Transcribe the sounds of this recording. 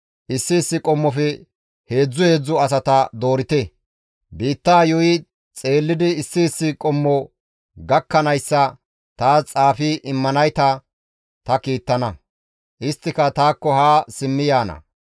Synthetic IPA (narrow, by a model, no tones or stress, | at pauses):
ʔɪsːɪːsːɪkʼɔmːɔfɛ | he̞ːd͡zːʊhe̞ːd͡zːʊɐs̬ɐt̪ɐd̪o̞ːɾɪt̪ɛ | biːt̪ːaːjʊɪ | t͡sʼe̞ːlːɪd̪ɪːsːiːsːɪkʼɔmːɔ | ɡɐkːɐnɐjsːɐ | t̪aːt͡sʼaːfɪʔɪmːɐnɐjt̪ɐ | t̪ɐkiːt̪ːɐnɐ | ʔɪst̪ːɪkɐt̪aːkːɔhaːsɪmːɪjaːnɐ̰